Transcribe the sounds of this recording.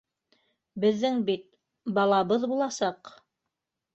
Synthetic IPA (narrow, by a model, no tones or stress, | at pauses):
bɘ̆ðːɘŋbit̪̚ | bɑlˠɑβɤðbulˠɑsɑq